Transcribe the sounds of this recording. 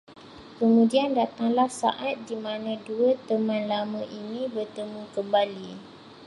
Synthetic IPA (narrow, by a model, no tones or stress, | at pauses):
kəmũdiandat̪aŋlahsa̰ʔat̪̚dimãnãduət̪əmãnlamãʔinĩbərt̪əmũkəmbali